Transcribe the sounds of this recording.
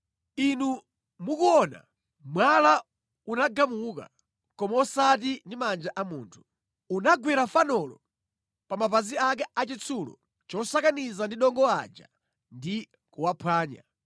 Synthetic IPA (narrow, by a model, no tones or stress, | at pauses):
inu | mukuɔna̰ | mwala | unaɡamuka̰ | kɔmaɔsat̬indimand͡ʒaʔamuːntʰu̥ | unaɡwɛɾafanɔlɔ | pamapaziak̬ɛat͡ʃit͡sʰulɔ̰ | t͡ʃɔsakanizandiɗɔŋɡɔa̰d͡ʒa̰ | ndi | kuwapʰwaːɲa̰